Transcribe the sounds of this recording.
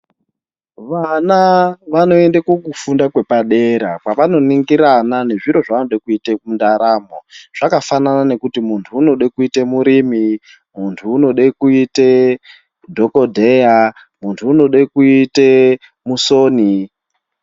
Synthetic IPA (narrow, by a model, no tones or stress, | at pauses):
ʋanaʋano̞e̞ndakokufundakwe̞paɗeɾakwaʋano̞niŋɡiɾanane̞ʐiɾo̞ʐaanoɗekuitemundaɾaːmoʐ̥akafananane̞kutimuntʰuːno̞ɗekuitemuɾimi | muntʰuːno̞ɗekuite | dʱo̞ko̞dʱeja | muntʰuːno̞ɗekuite | musoːni